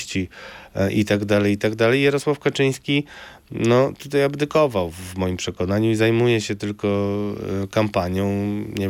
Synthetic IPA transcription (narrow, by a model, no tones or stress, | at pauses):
t͡ɕiʔit̪aɡd̪alɛjit̪aɡd̪alɛjjaɾɔswafkat͡ʂɘj̃skʲi | nɔt̪ut̪ajabd̪ɘkɔvawvmɔjimpʂɛkɔnaɲuizajmujɛɕɛt̪ɘlkɔ | kampaɲjɔ̃w̃ɲɛ